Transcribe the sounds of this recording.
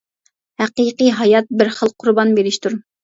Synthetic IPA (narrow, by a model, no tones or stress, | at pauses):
hæqiqiɦɑjɑt̪̚bɪɾχəlˠqʰʊɾbɑnbeɾɪʃt̪uɾ